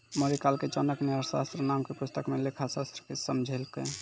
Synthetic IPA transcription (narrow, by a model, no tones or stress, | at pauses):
məɾikalket͡ʃənəkneəɾsa̰st̪ɾənamkepust̪əkmelekʰasast̪ɾəkesəmd͡ʒʱelke